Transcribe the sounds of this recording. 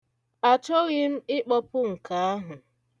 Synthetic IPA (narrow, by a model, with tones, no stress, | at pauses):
a˨t͡ʃɔ˦ɣɪ˦m̩˦ɪ˦k͡pɔ˦pʊ˦ŋ̩˨ka˨a˦ɦʊ˨